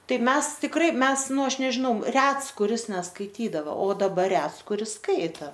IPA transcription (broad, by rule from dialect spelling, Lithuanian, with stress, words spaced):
ˈtɐɪ ˈmʲɛs tʲɪkˈrɐɪ ˈmʲɛs ˈnʊ ˈɐʃ nʲɛʒʲɪˈnɐʊ ˈrʲɛts kʊˈrʲɪs nʲɛskɐɪˈtʲiːdɐʋoː oː dɐˈbɐr ˈrʲɛts kʊˈrʲɪs ˈskɐɪtɐ